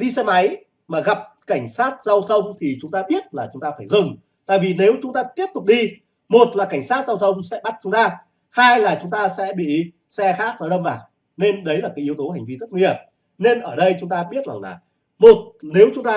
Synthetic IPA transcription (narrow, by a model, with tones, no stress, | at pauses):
ɗi˧sɛ˧ma˨˦j | maː˨˩ɣa˨˩p̚ka˧˩jŋ̟saː˦˥t̚za˧wt̪ʰə˧wŋ͡mt̪ʰi˨˩t͡ɕʊ˨˦ŋ͡mt̪aː˧ɓi˦˥ət̚laː˨˩t͡ɕʊ˨˦ŋ͡mt̪aː˧faː˧˩jzɨ˨˩ŋ | t̪a̰ː˧˨jvi˨˩ne˨˦wt͡ɕʊ˨˦ŋ͡mt̪aː˧t̪i˦˥əp̚t̪ʊ˨˩k͡p̚ɗi˧ | mo˨˩t̚laː˨˩ka˧˩jŋ̟saː˦˥t̚za˧wt̪ʰə˧wŋ͡msɛ̰˧˥ɓa˦˥t̚t͡ɕʊ˨˦ŋ͡mt̪aː˧ | haː˧jlaː˨˩t͡ɕʊ˨˦ŋ͡mt̪aː˧sɛ̰˧˥ɓḭ˧˨ | sɛ˧xaː˦˥k̚nɔ˨˦jɗə˧wŋ͡mvaː˨˩w | ne˧nɗə˨˦jlaː˨˩kaː˨˦ji˨˦əwt̪o˨˦ha˨˩jŋ̟vi˧zə˦˥t̚mi˨˩əp̚ | ne˧nʔəː˧˩ɗə˧jt͡ɕʊ˨˦ŋ͡mt̪aː˧ɓi˦˥ət̚la˨˩ŋlaː˨˩ | mo˨˩t̚ne˨˦wt͡ɕʊ˨˦ŋ͡mt̪aː˧